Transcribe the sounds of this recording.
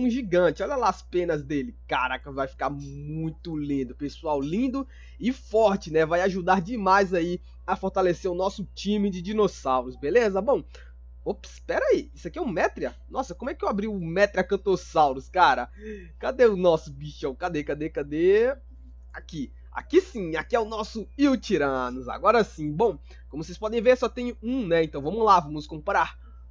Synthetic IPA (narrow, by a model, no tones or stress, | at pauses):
ũʒiɡɐ̃t͡ʃɪɔʎɐlaaspẽnɐzd̪elɪkaɾakɐvajfi̥kaɾmũj̃t̪ʊlĩd̪ʊpesuawlĩnd̪ʊ | ɪfɔɾt͡ʃɪnɛvajaʒud̪aɾd͡ʒɪmajzai | ɐfoɾt̪aleseɾʊnɔsʊt͡ʃĩmɪd͡ʒɪd͡ʒinosawɾʊsbelezɐbõw̃ | opspɛɾaiisʊakiɛũmɛt̪ɾiɐ | nɔsɐkõmʊɛkɪewabɾiʊmɛt̪ɾɪɐkɐ̃t̪osawɾʊskaɾɐ | kad̪eʊnɔsʊbiʃɐ̃w̃kad̪ekad̪ekad̪e | aki | a̰kisĩakiɛʊnɔsʊiwt͡ʃiɾɐ̃nʊza̰ɡɔɾɐsĩbõw̃ | kõmʊsespɔd̪ẽj̃veɾsɔt̪ẽj̃ũnɛẽnt̪ɐ̃w̃vɐ̃mʊlavɐ̃mʊskõpɾaɾ